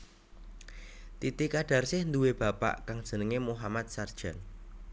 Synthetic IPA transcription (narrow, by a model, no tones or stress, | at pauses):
t̪it̪ikaɖ̥a̤rsɪhnd̪uweb̥ä̤pa̰ʔkaŋd̥ʒ̥ə̤nəŋemuɦamat̪̚sard̥ʒ̥a̤n